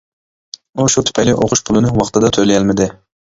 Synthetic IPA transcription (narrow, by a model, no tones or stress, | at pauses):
uʃut̪ʰpʰɛjliʔoqʰʊʃpʰʊlˠɨnɨwɑχt̪ʰɨd̪ɑt̪ʰølɪjɛlmɪd̪ɪ